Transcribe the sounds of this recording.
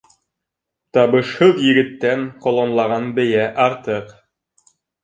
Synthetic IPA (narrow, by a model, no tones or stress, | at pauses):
t̪ɑβɤ̆ʃhɤðjɘ̆ɡɘ̆t̪ːæŋqŏlˠonlˠɑʁɑnbɘ̆jæʔɑɾt̪ɤq